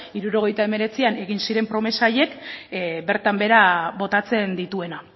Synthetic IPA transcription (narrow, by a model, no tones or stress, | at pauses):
iɾuɾo̞ɣ̞e̞jt̪ae̞me̞ɾe̞t͡siane̞ɣ̞insiɾe̞mpɾo̞me̞saːje̞kbe̞ɾt̪ambe̞ɾaβo̞t̪at͡se̞nd̪it̪ue̞na